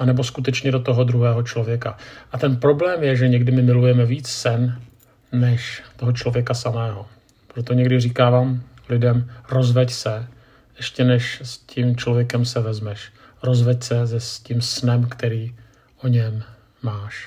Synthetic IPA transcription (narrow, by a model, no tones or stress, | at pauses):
ʔanɛbo̞skut̪ɛt͡ʃɲɛdo̞t̪o̞ɦo̞d̪ɾuɦɛːɦo̞t͡ʃlo̞vjɛkaʔat̪ɛnpɾo̞blɛːmjɛʒɛɲɛɡdɪmɪmɪlujɛmɛviːt͡ssɛnː | ɛʃt̪o̞ɦot͡ʃlo̞vjɛkasamɛːɦo̞ | pɾot̪o̞ɲɛɡdɪriːkaːvaːm | lɪdɛmɾo̞zvɛcsɛ | ʔɛʃcɛnɛʃscimt͡ʃlo̞vjɛkɛmsɛvɛzmɛʃ | ɾo̞zvɛcsɛzɛscimsnɛmkt̪ɛɾiː | ʔo̞ɲɛmː | aːʃ